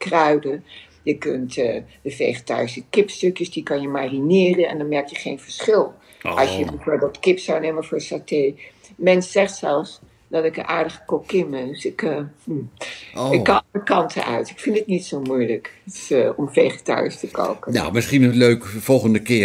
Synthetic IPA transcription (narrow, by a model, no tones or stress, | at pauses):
krœɥdə | jəkøntəd̥əfejχəta̰ːɹsəkɪpstøkjəsdikɑnjəmaːrinɪːrənɛ̰ndɑnmɛɹk̚jəχejnvəɹsχɪlˠ | ʔɑsjəbəsɛdɔtkɪpsawneːməfʊːɹsatej | mɛnssɛχtsɛlˠfs | dɑtɪkənʔaːɹdəχə̥kokːɪməsɪkə | ɪkːɑəkɑntʰə̰nœ̰ɥtɪkfɪntətnitsowmujləkətɪ̥sɔmfejχəta̰ːɹstəko̰ːkəna̰mɪsχinəløɥkv̥ɔlˠχəndəkɪː